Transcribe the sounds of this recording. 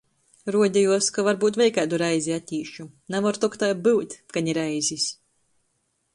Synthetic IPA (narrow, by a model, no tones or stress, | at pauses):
ɾuɔd̪ʲɛjuɔskavaɾbuːt̪vʲɛjkæːd̪uɾajzʲiat̪ʲiːʃu | navaɾt̪ɔkt̪ajbɨwt̪ʲkanʲiɾajzʲis